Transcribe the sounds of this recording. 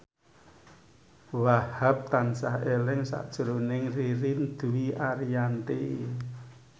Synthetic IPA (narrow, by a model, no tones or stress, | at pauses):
wahap̚t̪ansahelɪŋsa̰ʔd̥ʒ̥ə̤ɾonɪŋriɾind̪̥uiʔaɾijant̪e